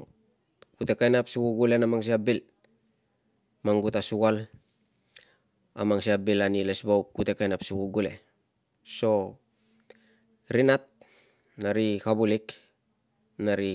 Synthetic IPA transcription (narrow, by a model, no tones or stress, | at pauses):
kute̞kajnapsukuɡule̞namaŋs̬iabil | maŋɡutasuɡal | a̰maŋsiabilanile̞sbawkkute̞kajnapsukuɡule̞̰ | so̞ | ɾinat̚ | naɾikabulik | naɾi